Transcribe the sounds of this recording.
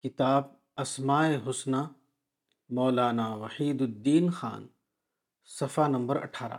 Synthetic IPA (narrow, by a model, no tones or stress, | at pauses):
kɪt̪aːb̚ | ɐsmaːeɦʊsna | mɔːlaːnaʋɐħiːd̪ʊd̪ːiːnxa̰ːn | sɐfanɐmbəɾɐ̰ʈʰaːɾa̰ː